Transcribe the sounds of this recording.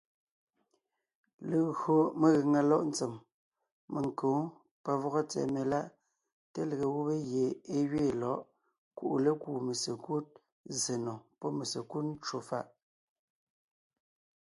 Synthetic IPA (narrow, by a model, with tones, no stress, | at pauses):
le˨ɣo˨me˨ɣe˨ŋa˨lɔ˦ʔn̩˦t͡se˨m | me˨ŋ˨kõː˨˦ | pa˨vɔ˦ɣɔ˦t͡sɛ̰˨me˨la˦ʔ | te˦lə˨ɣe˨ɣu˦be˦ɣje˨e˦ɥeː˦˨lɔ˨˦ʔ | ku˦ʔu˨le˦kuː˨me˨se˨ku˦t̚ | ze˨nɔ˨pɔ˦me˨se˨ku˦tn̩˦t͡ʃwo˨fa̰˦˨ʔ